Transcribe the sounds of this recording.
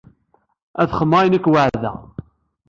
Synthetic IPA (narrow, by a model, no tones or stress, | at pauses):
æðχəmɑjnəkːwaʕðæ̰